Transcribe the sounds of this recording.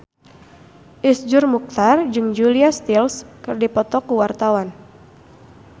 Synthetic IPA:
ʔisd͡ʒʊrmuk̚t̪ard͡ʒɨŋd͡ʒuliast̪ilskɨrdipɔt̪ɔkuwart̪awan

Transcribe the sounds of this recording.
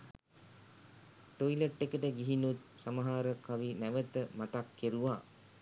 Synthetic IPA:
ʈoiləʈːekəʈəɡiɦinut̪̚saməɦaːɾəkaʋinæʋət̪əmat̪akːeɾuʋaː

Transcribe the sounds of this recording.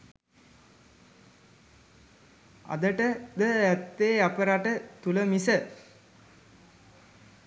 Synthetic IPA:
a̰d̪əʈəd̪əæt̪ːeːapəɾaʈət̪uləmisə

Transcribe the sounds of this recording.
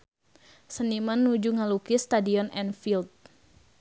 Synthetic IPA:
sənimanːud͡ʒuŋalukist̪adiɔnɛnfilt̪̚

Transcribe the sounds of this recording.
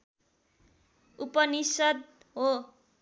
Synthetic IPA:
upʌnisʌd̪̚ | ɦo

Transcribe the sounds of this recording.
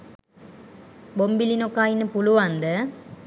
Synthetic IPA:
bombilinokːaːjinəpuluʋand̪ə

